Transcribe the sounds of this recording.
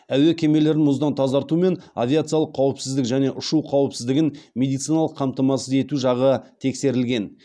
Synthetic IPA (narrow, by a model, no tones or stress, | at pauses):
æwe̞kʲʰe̞me̞le̞ɾɪnmʊzd̪ɑnt̪ʰɑzɑɾt̪ume̞na̰vʲijat̪sɨjalˠəqʰːɑwəpsɪzd̪ɪkʒæne̞ʔʊʃuqʰɑwəpsɪzd̪ɪɡʲɪnmʲe̞d̪ijt̪sɨjnɑlˠəqʰːɑmt̪ɑmɑsəze̞t̪uʒɑʁət̪ʰe̞kse̞ɾɪlɡʲe̞n